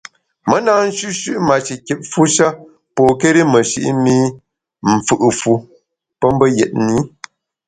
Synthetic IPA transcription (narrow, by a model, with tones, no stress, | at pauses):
mə˦naː˦n̩˦ʃʉ˦ʃʉ˦ʔma˨t͡ʃi˨kɛ˨p̚fu˦ʃa˦ | pɔ˨ke˦ɾi˦mə˨ʃḭ˨ʔḭ˦mi˦ | m̩˨fɨ˦ʔɨ˨fu˦ | pə˦m˦bə˦jɛ˨t̚ni˨˦